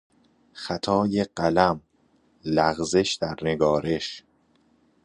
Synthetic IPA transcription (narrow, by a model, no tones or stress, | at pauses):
xæt̪ʰɒːjeɢælæm | læɣze̞ʃd̪̥æɾneɡɒːɾe̞ʃ